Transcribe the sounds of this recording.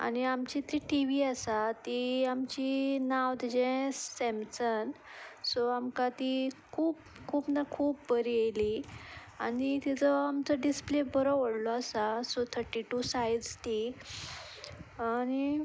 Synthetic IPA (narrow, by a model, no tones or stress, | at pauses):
a̰ñiamt͡ɕit̪ɾiʈiʋiasat̪iamt͡ɕinawd̪d͡ʑɛ̃sːɛmsənsoamkat̪ikʰuːp | kʰuːpnakʰuːpbəɾiejli | a̰nit̪it͡səamt͡səɖisplebəɾɔʋəɽlɔasasot̪ʰəɾʈiʈusajɖd͡zt̪i | añi